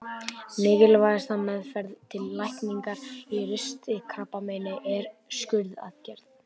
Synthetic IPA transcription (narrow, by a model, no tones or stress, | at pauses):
mɪːɣɪlvajast̪amɛðfɛɾðt̪ʰɪlːajhkniŋkaɾ̥irʏst̪ɪkʰɾaːpːameːjnɪʔɛɾscʏɾða̰ðcɛɾ̥t̪